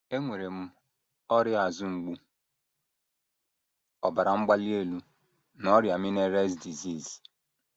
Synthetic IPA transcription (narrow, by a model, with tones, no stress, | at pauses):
e˦ŋʷe˨ɾe˨m̩˦ | ɔ˦ɾɪ˦a˨zʊ˦ŋ͡m̩˨ɡ͡bu˦ | ɔ˨ba˨ɾa˨ŋ͡m̩˦ɡ͡ba˦li˦e˦lu˦ | nɔ˦ɾja˨mi˦ne˦ɾe˦sdi˨zi˦˨z